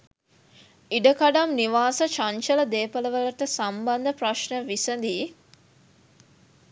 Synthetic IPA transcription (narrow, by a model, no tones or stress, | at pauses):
iɖəkaɖamniʋaːsət͡ʃaɲt͡ʃələd̪eːpələʋələʈəsamband̪əpraʃɳəʋisənd̪iː